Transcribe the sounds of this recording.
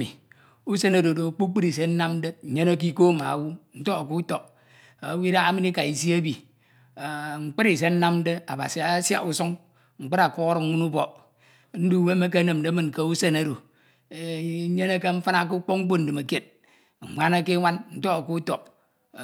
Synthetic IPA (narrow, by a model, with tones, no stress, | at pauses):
ḭ˨ | u˦se˦na˨do˨do˨k͡pu˦k͡pɨ˦ɾi˨se˨˦n̩˦na˦mn̩˦de˦˨ɲe˦na˦k̬i˦ko˦ma̰˨wu˦n̩˦to˦a˨ku˦to˨p̚ | a˨wi˦ɾa˦a˦mɨ˦ni˦ka˨i˨s̬i˦a˦bi˨ | ŋ͡m̩˨k͡pe˦ɾi˨s̬e˨˦n̩˦na˦mn̩˦de˦a˨ba̰˨si˨a˨˦sja̰˦u˨su˦ŋ | ŋ͡m̩˨k͡pe˦ɾa˨ko˦ɣɾ̩˨˦ŋʷu˦nu˦bɔ˨ | n̩˦du˦˨we˦me˦ke˦nɨ˨mn˨de˨˦mɨ˨nke˦u˦se˦na˦do˨˦ | ɲe˦na˦ke˦ɱ̩˦fa˦na˦k̬u˦k͡po˦kŋ͡m̩˦k͡po˦n̩˨dɨ˨ma˨ke˨t̩̚˨ | ŋʷa˦na˦ke˦ŋʷa˦nn̩˦to˦ka˨ku˦to˨p̚